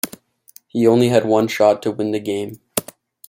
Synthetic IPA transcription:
hiõʊ̃nliɨd̚wʌ̃nʃɑtʰɨwɪ̃nðɨɡẽɪ̃m

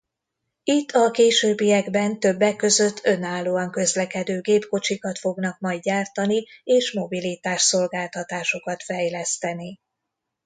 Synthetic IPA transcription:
it̪ːɒkeːʃøːbːijɛɡbɛnt̪ø̞bːɛkːø̞zø̞t̪ʰːø̞naːlːoːɒŋkø̞zlɛkɛd̪øːɡeːpko̞t͡ʃikɒt̪fo̞ɡn̪ɒkmɒjd̪ɟaːrt̪ɒnieːʃmo̞bilit̪aːʃso̞lɡaːlt̪ɒt̪aːʃo̞kɒt̪fɛjlɛst̪ɛni

